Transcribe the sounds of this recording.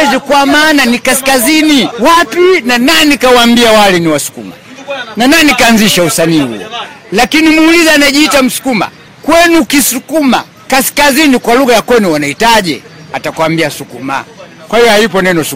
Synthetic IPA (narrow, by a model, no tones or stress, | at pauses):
zikwamaːnanikaskaziniwapinanaɛnikawambiawalɛniwasu̥kṵma̰nanaɛnikaːnziʃausaniːhṵɔ̰ | lakinimuːlizaːnaʄiːtam̩su̥kuma̰ | kwɛnukisukuma̰ | kaskazinikwaluɣajakwɛnuwanaitaʄɛ̰ | atakwambiasukuma̰ | kwahijɔhajipɔnɛnɔsu